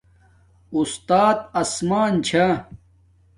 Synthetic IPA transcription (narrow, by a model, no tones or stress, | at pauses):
ust̪aːt̪ɐsmaːnt͡ɕʰa